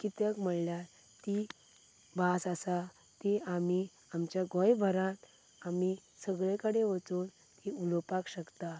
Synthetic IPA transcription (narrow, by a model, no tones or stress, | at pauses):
kit̪əkm̤əɭlja | t̪i | basasa | t̪eami | amt͡ɕjaɡɔ̃jbʱəɾãt̪ | amisəɡɭẽkəɽeʋət͡suːn | t̪iulopakɕəkt̪a